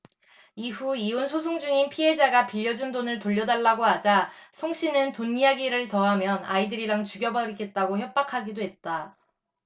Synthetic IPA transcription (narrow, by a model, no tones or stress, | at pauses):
iɸuionsʰosʰoŋd͡ʑuŋinpʰie̞d͡ʑaɡapiʎːʌd͡ʑundonɯɭtoʎːʌdaɭːaɡoɦad͡ʑasʰoŋɕ͈ʰinɯntonːiaɡiɾɯɭtʌɦamjʌna̰idɯɾiɾaŋt͡ɕuɡjʌbʌɾikʰe̞t̚t͈aɡoçjʌp̚p͈akʰaɡidoɦe̞t̚t͈a